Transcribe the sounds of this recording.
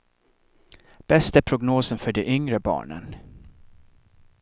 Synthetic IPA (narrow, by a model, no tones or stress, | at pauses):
b̥ɛst̪æpʰɾʊɡnoːsənfœɖɛʔʏŋɾəbɑ̰ːɳə̰n